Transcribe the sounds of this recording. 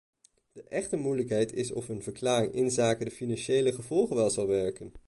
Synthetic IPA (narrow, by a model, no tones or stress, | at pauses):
d̥əʔɛχtəmujləkɦɛjtɪsɔ̰fənvəɹklaːrɪŋʔɪnzaːkədəfinɑnʃejləχəv̥ɔlˠχənʋɛlˠzɑlˠʋɛɹkən